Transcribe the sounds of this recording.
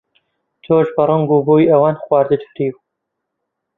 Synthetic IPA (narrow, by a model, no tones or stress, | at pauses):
t͡ʃʰoːʒbɐɾˤɨŋɡuboːjɐwaːnxwaːɾd̪ɨt̪fɾiːw